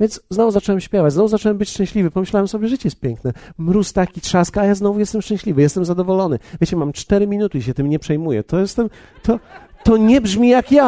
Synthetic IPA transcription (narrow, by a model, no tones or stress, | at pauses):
vʲjɛnd̪zznɔvuzat͡ʂɔwɛmɕpʲjɛvat͡ɕzɔvuzat͡ʂɔwɛmbɘt͡ɕʂt͡ʂɛ̃ɕlʲivɘpɔmɘɕlawɛmsɔbjɛʐɛʐɨt͡ɕɛjɛst̪pʲjɛ̃ŋknɛmɾust̪akʲit̪ʂaskaːjaznɔvujɛst̪ɛmʂt͡ʂɛ̃ɕlʲivɘjɛst̪ɛmzad̪ɔvɔlɔnɘvʲjet͡ɕɛmamt͡ʂt̪ɛɾɘmʲinut̪ɘiɕ̬ɛt̪ɘmɲɛpʂɛjmujɛ̰t̪ʰɔjɛst̪ɛm | t̪ʰɔt̪ɔɲɛbʐmʲijakja